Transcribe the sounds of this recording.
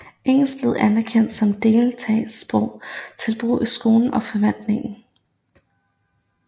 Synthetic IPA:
ʔeŋ̰l̩sd̥leð̞̩ˠænæɐkʰen̰d̥sɒ̽md̥e̝ːlt͡sʰɛ̰ɪsːb̥ʁɔʊ̰t͡sʰe̝lb̥ʁṵːisɡ̥o̝ːln̩ɒ̽fɒ̽ʋæn̰d̥ne̝ŋn̩

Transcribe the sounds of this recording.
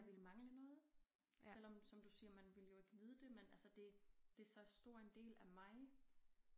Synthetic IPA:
jaʋelmɑ̈ŋlənɔ̽ːð̞̩ˠ | sel̰ɒ̽msɒ̽md̥usiːɐmænʋe̝ljo̝e̝ɡ̥ənið̞ˠəd̥e̝menʔælsəd̥e̝d̥e̝sɒ̽sd̥o̝ɐ̰end̥e̝̰ːlæmɑ̈ɪ

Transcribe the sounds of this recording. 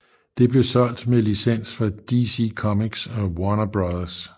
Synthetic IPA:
d̥e̝b̥le̝sɒ̽l̰d̥melisen̰sfɒd̥isikʰɒ̽miɡ̥sɒwɒnɐb̥ʁɑðˠɐs

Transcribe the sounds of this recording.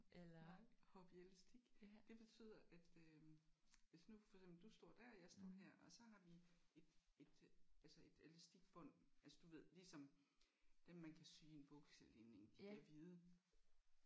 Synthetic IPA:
hɒb̥iæləsd̥iɡ̥d̥e̝b̥e̝t͡sʰy̰ːð̰ˠɐʔæd̥ø | ʋesnufɒɐɡ̥sembl̩d̥usd̥ɒɐ̰d̥æɐ̰ɒjɑ̈ɪsd̥ɔ̰ːɦæɐ̰ɒ̽sɒ̽ɦɑ̈ʋie̝d̥e̝d̥ælsɒe̝d̥ælesd̥iɡ̥b̥ɔ̽n̰ʔælsd̥uʋe̝ð̞̰ˠlisɒ̽m | d̥emːænkʰæsyːe̝nb̥ɔɡ̥selene̝ŋd̥i̥æɐʋiːðˠə

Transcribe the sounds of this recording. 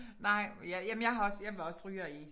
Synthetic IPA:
nɑ̈ɪ̰jæjæmənjɑ̈ɪɦɑɒ̽sjɑ̈ɪʋeɒ̽sʁyːɐi

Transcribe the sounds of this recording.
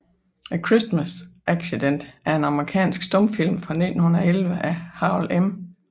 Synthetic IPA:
kʰʁisd̥mæsʔæɡ̥sid̥en̰d̥æɐe̝nɑ̈məʁikʰɛ̰ːnsɡ̥sd̥ɔ̽mfil̰mfʁɑ̈nḭd̥n̩hun̩ɐɒelʋəʔæhɑ̈lʔem

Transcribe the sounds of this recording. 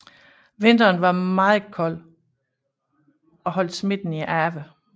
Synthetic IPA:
ʋe̝n̰d̥ɐːnʋɑ̈mɑ̈ːð̩ˠkʰɒ̽l̰ | ɒ̽ɦɒ̽l̰d̥sme̝d̥n̩iʔæɐʋə

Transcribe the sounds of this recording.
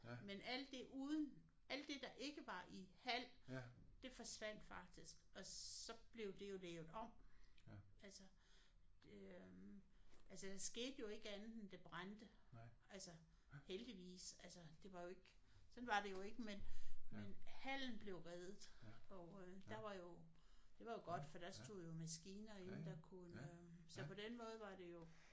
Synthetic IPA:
menæl̰d̥e̝ʔuːðˠən̩ | ʔæl̰d̥e̝d̥ɑ̈ʔe̝ɡ̥əʋɑ̈ʔihæl̰d̥e̝fɒ̽sʋæn̰d̥fɑ̈ɡ̥̚d̥isɡ̥ɒ̽sɒ̽b̥le̝ʊd̥e̝jo̝leːʊð̩ˠɒ̽m̰ | ælsə̥ | ʔælsəd̥ɑ̈sɡ̥e̝̰ːd̥əjo̝e̝ɡ̥əænð̩ˠend̥eb̥ʁand̥əælsɐ | held̥iʋḭːsælsɐd̥e̝ʋɑ̈jo̝e̝ɡ̥ | sɒ̽nʋɑ̈d̥e̝jo̝e̝ɡ̥əmenmenhæl̰n̩b̥le̝ʊʁɛːðˠð̩ˠɒd̥ɑ̈ʋɑ̈jo̝ | d̥e̝ʋɑ̈jo̝ɡ̥ɒ̽d̥fɒd̥ɑsd̥o̝̰ðˠjo̝mæsɡ̥iːnɐe̝nd̥ɑkʰunø | sɒ̽pʰɒ̽d̥enmɔ̽ːð̞̩ˠʋɑ̈d̥e̝jo̝

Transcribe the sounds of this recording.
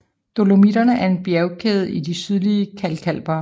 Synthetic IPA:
d̥o̝lo̝mid̥ɐnəʔæɐe̝nb̥jæʊkʰeːð̞̩ˠidisyð̞ˠliəkʰælkʰæl̰b̥ɐ

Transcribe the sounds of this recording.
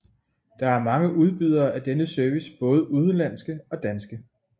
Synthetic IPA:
d̥ɑ̈æɐmɑ̈ŋəʔuð̞ˠb̥yð̞̰ˠɐʔæd̥enəsœɐʋisb̥ɔ̽ːð̞ˠəʔuðˠlæn̰sɡ̥əɒ̽d̥ænsɡ̥ə

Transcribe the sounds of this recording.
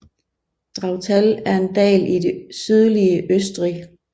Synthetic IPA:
d̥ʁɑ̈ʊt͡sʰælæɐe̝nd̥ɛ̰ːlid̥e̝syð̞ˠliəʔøsd̥ʁi

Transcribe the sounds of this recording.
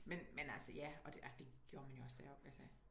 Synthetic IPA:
menmenælsəjæɒ̽d̥æd̥e̝ɡ̥jo̝ːɐmænjo̝ɒ̽sd̥æɐɒb̥ælsə

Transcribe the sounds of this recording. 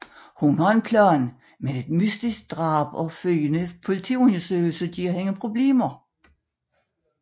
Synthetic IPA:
hunhɑe̝npʰlɒːn | meðe̝d̥mysd̥isɡ̥̚d̥ʁɑ̈ːb̥ɒfølənəpʰo̝lit͡sʰḭːonɐsøːɡl̩səɡ̥iɒheŋəpʰʁo̝b̥le̝̰ːmɐ

